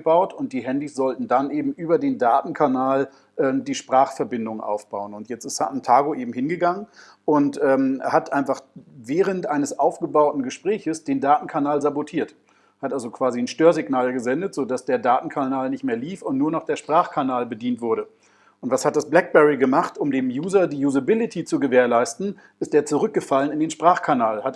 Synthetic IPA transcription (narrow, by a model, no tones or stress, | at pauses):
b̥aʊtʊnt̚d̥iːɦɛndisz̥ɔltn̩danʔeːbm̩ʔyːbɐdeːndaːtn̩kʰanaːl | ʔɛːmdiːʃpʁ̥aːχfɛɐbɪndʊŋʔa̰ʊfb̥aʊənʊntjɛt͡stɪ̥stantʰaːɡoʔeːbm̩hɪnɡəɡaŋən | ʔʊntʔɛːmhatʔaɪnfaχvɛːʁ̞əntʔaɪnəsʔaʊfɡ̥əbaʊtn̩ɡəʃpʁ̥ɛːçəsd̥eːndaːtn̩kʰanaːlzabotʰiːɐt | hatʔalzokv̥aːzinʃtøːɐzɪɡnaːlɡəzɛndətz̥oːdasd̥eːɐdaːtn̩kʰanaːlnɪçtmeːɐliːfʊntnuːɐnɔχd̥eːɐʃpʁ̥aːχkʰanaːlbədiːntv̥ʊɐɾə | ʔʊntv̥ashat̚d̥asb̥lɛk̚b̥ɛʁiɡəmaχtʊmdeːmjuːzɐdiːjuːzabɪlɪtʰit͡suɡəveːɐlaɪstn̩ | ʔɪst̚deːɐt͡suʁʏk̚ɡ̥əfalənɪndeːnʃpʁ̥aːχkʰanaːlhat